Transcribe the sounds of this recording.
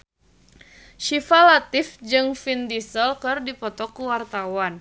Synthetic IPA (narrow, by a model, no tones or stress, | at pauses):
ʃifalat̪ɪfd͡ʒɨŋfindisəlkɨrdipɔt̪ɔkuwart̪awan